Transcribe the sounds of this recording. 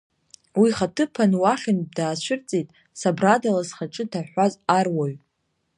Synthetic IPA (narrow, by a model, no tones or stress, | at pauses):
wiχatʰɨpʰanwaχʲɪnb̚daːʃʷʏrt͡sʼejtʼ | sabradalasχaʈ͡ʂʼɨtʰaħʷazarwaɥ